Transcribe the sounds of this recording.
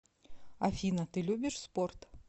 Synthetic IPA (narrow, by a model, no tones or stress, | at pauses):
ɐfʲinɐt̪ɨlʲubʲɪʂsport̪